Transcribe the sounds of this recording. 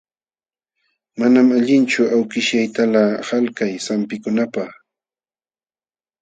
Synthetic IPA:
manamaʎɪnt͡ʃʊawkɪʃjajt̪alahalkajsampɪkʊnapaχ

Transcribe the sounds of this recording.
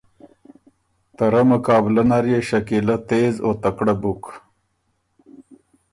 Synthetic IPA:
t̪ɐɾɐmʊkɑːblɐnaɾjeʃɐkilɐt̪eːzoːt̪ɐkɽabuk

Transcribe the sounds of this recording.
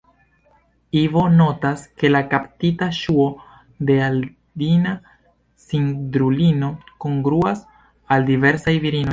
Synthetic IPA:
ivo̞no̞taske̞lakaptitaʃuo̞ | de̞al | dina | sindɾulino̞ko̞ŋɡɾuas | aldive̞ɾsajviɾino̞j

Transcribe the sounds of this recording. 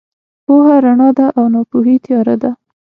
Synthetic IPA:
pohaɾaɳɑd̪aʔawnɑpuɦit̪jɑɾa̰d̪a

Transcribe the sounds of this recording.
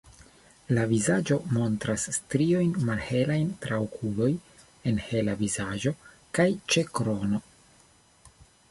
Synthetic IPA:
lavizad͡ʒo̞mo̞ntɾasːtɾio̞jnmalhe̞lajntɾaokʰulo̞j | e̞nhe̞lavizaʒo̞ | kajt͡ʃe̞kɾo̞no̞

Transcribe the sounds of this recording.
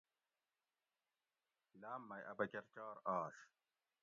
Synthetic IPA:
laːmːɐjʔɐbɐkeɾt͡ɕaːɾaːɕ

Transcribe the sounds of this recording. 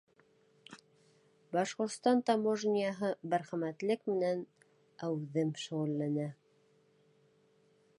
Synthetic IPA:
bɑʃqŏɾt̪st̪ɑnt̪ɑmoʒnʲijɑɦɤbæɾχæmæt̪lɘkmɘ̆næn | æwðɘmʃŏʁŭlːænæ

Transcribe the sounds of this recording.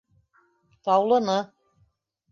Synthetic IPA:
t̪ɑwlˠɤ̆nɤ

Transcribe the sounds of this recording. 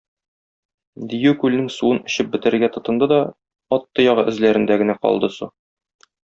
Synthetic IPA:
d̪ijʉkʉlnɘŋsuɤnɵ̆ɕɘp̚bɘ̆t̪ɘ̆ɾɘ̆ɾɡæt̪ŏt̪ɤ̆nd̪ɤd̪ɒ | ɒt̪ːɤjɒʁɤʔɘ̆zlæɾɘ̆nd̪æɡɘ̆næqɒ̰lˠd̪ɤsu

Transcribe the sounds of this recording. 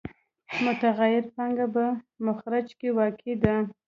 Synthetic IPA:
mʊt̪aɣajɪɾpɑŋɡabamʊxɾad͡ʒkewɑkʰed̪a

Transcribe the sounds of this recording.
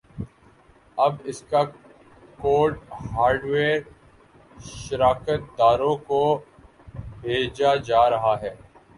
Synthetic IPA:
ɐbɪska | koːɖhaːɾɖʋeːɾ | ʃəɾaːkət̪̚d̪aːɾõko | bʱeːd͡ʒad͡ʒaːɾɐɦaɦɛː

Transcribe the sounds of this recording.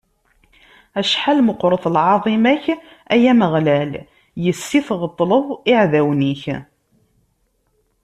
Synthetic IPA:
æʃħalməqːɾˤəθˤlʕɑðˤimæç | æjæməʁlæl | jəsːiθʁət̪ˤːləðˤɪʕðæwniç

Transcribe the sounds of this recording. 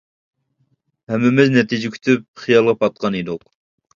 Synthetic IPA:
hɛmːɪmɪznɛt̪id͡ʒɪkʲʰy̥t̪ʰyp̚χijɑlˠʁɑpʰɑt̪̚qʰɑnid̪ʊq

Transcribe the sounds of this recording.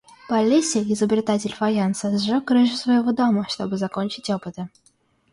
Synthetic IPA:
palʲːesʲeɪzəbɾʲɪt̪atʲɪlʲfajansəzʐɨkrɨʐɨsvɐjɪvod̪oməʂt̪obɨzakonʲt͡ɕɪtʲopɨt̪ə

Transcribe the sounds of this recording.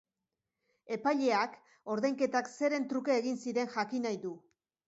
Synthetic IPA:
e̞pajʎe̞ak | o̞ɾðejŋke̞t̪akse̞ɾe̞nt̪ɾuke̞ːɣinsiɾe̞ŋxʝakinajðu

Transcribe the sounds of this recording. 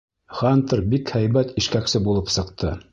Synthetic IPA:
χant̪ɤɾbikhæjβæt̪ĭʃkæksɘbulˠɤpsɤ̆qt̪ʰɤ

